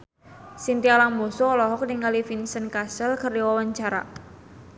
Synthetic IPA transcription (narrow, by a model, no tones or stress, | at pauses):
sint̪ialaŋmɔsɔlɔɦɔk̚niŋalifinsənkasəlkərdiwawaɲt͡ʃaɾa̰